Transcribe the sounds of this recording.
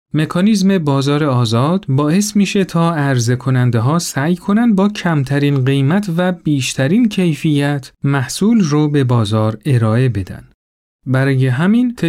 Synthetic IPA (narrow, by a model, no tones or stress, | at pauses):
me̞kʰɒːnizme̞bɒːzɒːɾeɒːzɒːd̪̥bɒːe̞smiːʃe̞t̪ʰɒːæɾze̞kʰo̞nænd̪eɦɒːsæːjkʰo̞nænd̪̚bɒːcʰæmt̪ʰæɾiːnɢe̞jmæt̪ʰvæbiːʃt̪ʰæɾiːncʰe̞jfijæt̪ʰmæhsuːlrobe̞bɒːzɒːɾe̞ɾɒːe̞be̞d̪æ̰nd̥ | bæɾɒːje̞ɦæmint̪ʰ